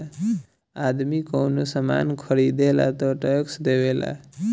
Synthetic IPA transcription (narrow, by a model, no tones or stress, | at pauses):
ad̪mikəwnosəma̰nkʰəɾid̪ela̰t̪ɔʈəksd̪ebela̰